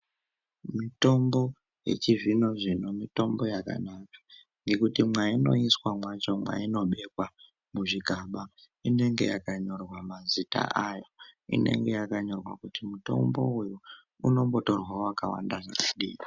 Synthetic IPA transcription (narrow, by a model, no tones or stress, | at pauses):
mito̞mbo̞ | je̞̰t͡ʃivino̞ʐino̞mito̞mbo̞jaka̰nakḁ | ŋɡe̞kutimwaino̞iswamwat͡ʃo̞mwa̰ino̞ɓe̞kwa | muʐiɡʱaɓa | ine̞ŋɡe̞̰jakaɲo̞rwamazita̰ʔajoḭne̞̰ŋɡe̞jakaɲo̞rwakutimuto̞̰mbo̞weo | uno̞mbo̞to̞rwawakawa̰ndaʐa̰kuɗiːi